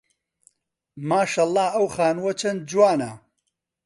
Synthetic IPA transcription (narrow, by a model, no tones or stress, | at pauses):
maːʃɐlˠˤːɑːʔɐwxaːnwɐt͡ʃʰɐn̚d͡ʒwaːnɐ